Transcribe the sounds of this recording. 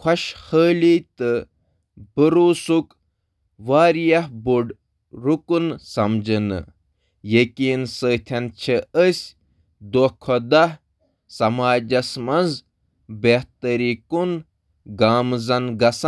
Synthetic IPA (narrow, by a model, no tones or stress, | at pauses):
kʰɐʃxəːlit̪ɨ | b̥əɾuːsuk | ʋaːɾjɐɦbuɖ | ɾukunsɐmd͡ʒɨnɨ̰ | jekiːnsəːt̪ʲʰɐnt͡ʃʰeəsʲ | d̪ohkʰɔd̪ɐh | sɐmaːd͡ʒɐsmɐnz | beht̪ɐɾikun | ɡaːmzɐnɡɐs